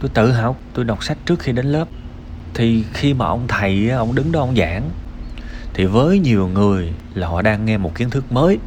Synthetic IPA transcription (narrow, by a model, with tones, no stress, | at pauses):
t̪o˧jt̪ɨ̰˧˨ɦa˨˩wk͡p̚t̪o˧jɗa˨˩wk͡p̚sa˦˥jk̟̚t͡ɕɨ˦˥ək̚xi˧ɗe˨˦nləː˦˥p̚ | t̪ʰi˨˩xi˧maː˨˩ʔə˧wŋ͡mt̪ʰaə˨˩jʔaː˨˦ʔə˧wŋ͡mɗɨ˨˦ŋɗɔ˨˦ʔə˧wŋ͡mza̰ː˧˩˥ŋ | t̪ʰi˨˩vəː˨˦jɲi˨˩əwŋɨ˨˩əjlaː˨˩hɔ̰˧˨ɗaː˧ŋːɛ˧mo˨˩t̚ki˨˦ənt̪ʰɨ˦˥k̚məː˨˦j